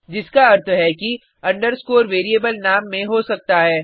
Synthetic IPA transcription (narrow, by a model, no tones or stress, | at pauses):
d͡ʒɪskaɐɾt̪ʰɦɛki | ɐ̃ɳɖəɾskoːɾʋeːɾieːbəlnaːmːẽɦosɐk̚t̪aɦɛː